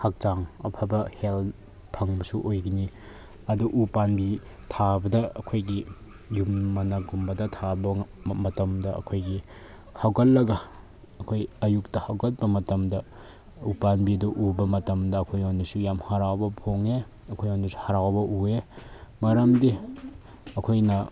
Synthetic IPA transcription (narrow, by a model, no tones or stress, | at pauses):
hak̚t͡ʃaŋɐpʰabɐhel | pʰɐŋbɐsuʔojɡini | ɐduʔupanbi | tʰabɐdɐɐ̰kʰojɡi | jumːɐnɐɡumbɐdɐtʰabɐmɐtɐmdɐɐ̰kʰojɡi | hawɡɐtlːɐɡɐː | kʰojɐjuk̚tɐhawɡɐt̚bɐmɐtɐmdɐ | upanbiduʔubɐmɐtɐmdɐːkʰojonisujamhaɾawbɐpʰoŋe | ɐkʰojonisu̥haɾawbɐʔuemɐɾɐmdi | ɐkʰojnɐ